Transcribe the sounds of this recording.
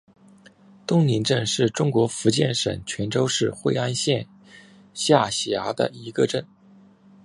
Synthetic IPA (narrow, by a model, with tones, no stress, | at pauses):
t̪ʊ˥ŋni˧˥nʈ͡ʂə˥˧nʂɻ̩˥˩ʈ͡ʂʊ˥ŋkwɔ˧˥fu˧˥t͡ɕjɛ˥˩nʂə̰˨˩ŋt͡ɕʰɥɛ˧˥nʈ͡ʂo˥ʊʂɻ̩˥˧xwe˥˩ɪa˥nɕjɛ˥˧n | ɕja˥˩ɕa˧˥d̪ə̰˨i˧˥ɡə˧ʈ͡ʂə˥˩n